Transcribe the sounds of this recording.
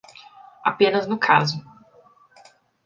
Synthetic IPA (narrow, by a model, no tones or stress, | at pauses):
a̰pẽnɐznʊkʰazʊ